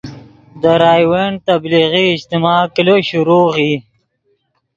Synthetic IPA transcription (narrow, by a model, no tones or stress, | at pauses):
d̪əɾɑːjweɳɖ̚t̪abliɣiɪd͡ʑt̪ɪmɑkɪloɕuɾoːɣi